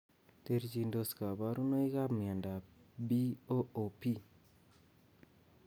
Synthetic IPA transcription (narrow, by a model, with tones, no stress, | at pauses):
te˦ɾt͡ʃi˨ndo˨ska˨ba˦ɾu˦no˦i˦ka˦pmɪ˨a˨nda˨bi˦o˦o˨pi˦